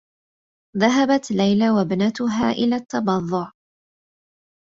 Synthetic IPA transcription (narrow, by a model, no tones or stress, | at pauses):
ðaɦabat̪lajlawabnat̪ʊɦaːʔɪlaːt̪ːɑbɑðˤːʊʕ